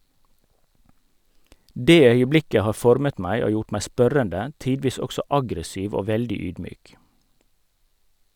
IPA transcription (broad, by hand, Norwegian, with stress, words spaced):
ˈdeː ˈœʏəˌblɪkə ˈhɑː ˈfɔɾmət ˈmæɪ ˈoː ˈjʊʈ ˈmæɪ ˈspœɾəndə ˈtiːdʋiːs ˈɔksɔ ˈɑɡɾəˌsiːʋ ˈoː ˈʋɛldɪ ˈyːdˌmyːk